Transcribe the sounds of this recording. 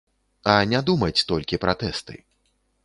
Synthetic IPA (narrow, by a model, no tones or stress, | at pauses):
ɐnʲad̪umɐt͡sʲt̪ɔlʲkʲipɾʔat̪ɛst̪ɨ̰